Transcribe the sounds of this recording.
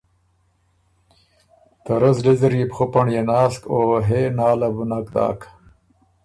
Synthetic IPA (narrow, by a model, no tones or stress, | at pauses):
t̪aɾazlizɾipχopaɳjenaːskoːɦenaːlabunakd̪a̰ːkʰ